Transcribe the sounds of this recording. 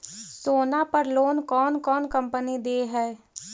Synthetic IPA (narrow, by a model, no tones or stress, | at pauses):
soːnapəɾloːnkɔːnkɔːnkə̃mpənid̪eːɦɛː